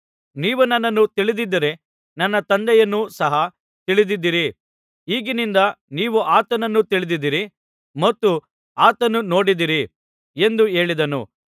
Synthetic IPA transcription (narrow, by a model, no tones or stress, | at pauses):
niːʋunɐnːɐnːut̪iɭid̪id̪ːɐɾe̞ | nɐnːɐt̪ɐnd̪ɛjɐnːusɐɦɐ | t̪iɭid̪id̪ːiɾi | iːɡinind̪ɐniːʋuʔaːt̪ɐnɐnːut̪iɭid̪id̪iɾi | mɐt̪ːu | aːt̪ɐnuno̞ːɽid̪iɾi | e̞nd̪ue̞ːɭid̪ɐnṵ